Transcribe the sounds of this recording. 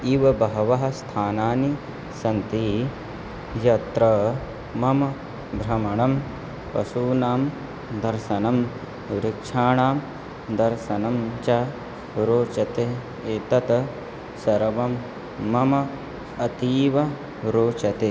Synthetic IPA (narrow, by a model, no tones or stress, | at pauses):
iːʋɐbɐɦɐʋɐɦɐst̪ʰaːnaːni | sɐnt̪iː | jɐt̪ɾɐ | mɐmɐ | bɾɐmɐɳɐm | pɐsuːnaːm | d̪ɐɾʃɐnɐm | ɾɪkʂʰaːɳaːm | d̪ɐɾʃɐnɐmt͡ʃa | ɾoːt͡ʃɐt̪e | eːt̪ɐt̪ | sɐɾɐʋɐmː | ɐmɐ | ɐt̪iːʋɐ | ɾoːt͡ʃɐt̪e